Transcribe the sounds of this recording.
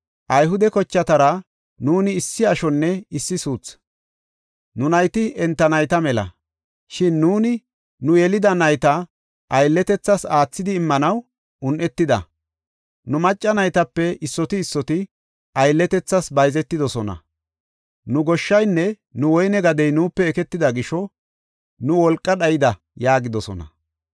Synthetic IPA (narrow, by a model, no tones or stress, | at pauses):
ʔɐjɦʊd̪ɛkɔt͡ʃːɐt̪ɐɾɐ | nuːnɪːsːɪɐʃɔnːɛɪsːɪsuːt͡s | nʊnɐjt̪ɪɛnt̪ːɐnɐjt̪ɐmɛlɐ̰ | ʃɪnːuːnɪ | nʊjɛlɪd̪ɐnɐjt̪ɐ | ʔɐjlːɛt̪ɛt͡sːɐsaːt͡sːɪd̪ɪːmːɐnɐw | ʔʊnʔɛt̪ːɪd̪ɐ̰ | nʊmɐt͡ʃʼːɐnɐjt̪ɐpːɛɪsːɔt̪ɪːsːɔt̪ɪ | ɐjlːɛt̪ɛt͡sːɐsbɐjzɛt̪ːɪd̪ɔsɔnɐ̰ | nʊɡɔʃːɐjnːɛ | nʊwɔjnɛɡɐd̪ɛjnuːpːɛːkɛt̪ːɪd̪ɐɡɪʃɔ | nʊwɔlkʼːɐɗɐjɪd̪ɐ | jaːɡɪd̪ɔsɔ̰nɐ̰